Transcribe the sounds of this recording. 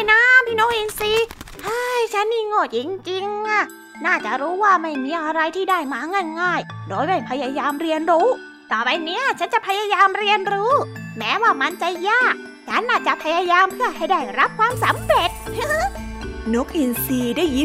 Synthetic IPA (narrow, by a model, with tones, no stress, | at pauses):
na˧˥pʰiː˧˩no˦˥k̚ʔi˧nsiː˧ | haː˧˩jt͡ɕʰa˦˥nmiː˧˩ŋo˧˩t̪̚t͡ɕi˧ŋt͡ɕi˧ŋʔa˧˩ | naː˥˩t͡ɕa̰˨˩ɾuː˦˥waː˥˩ma˥˩jmiː˧ʔa˧ɾa˧jt̪ʰiː˥˩da˥˩jmaː˧˦ŋa˧˩nŋaː˧˥˩jdoː˨˦jma˦˧˩pʰa˧jaː˧jaː˧mɾi˧ənɾuː˦˥ | t̪ɔː˨˩pa˧jniː˦˥a˨t͡ɕʰa˦˥nt͡ɕa˨˩pʰa˧jaː˧jaː˧mɾi˧ənɾɯː˦˥mɛː˦˥waː˥˩ma˧nt͡ɕa˨˩jaː˥˩k̚ | t͡ɕʰa˦˥nːaː˧˩t͡ɕa˨˩pʰa˧jaː˧jaː˧mpʰɯ˥˩ɐha˥˩jda˧˥˩jɾa˦˥p̚kʰwaː˧msa˨˦mɾe˨˩t̪̚ː | no˦˥k̚ʔi˧nsiː˧daː˥˩ji˧˥